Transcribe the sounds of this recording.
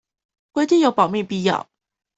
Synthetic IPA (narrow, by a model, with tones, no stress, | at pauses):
kwe˧˥ɪt̪i˥˨ŋjo˨˥˦pɑ˨˩ʊmi˥˧pi˥˧jɑ̰˥˩˨ʊ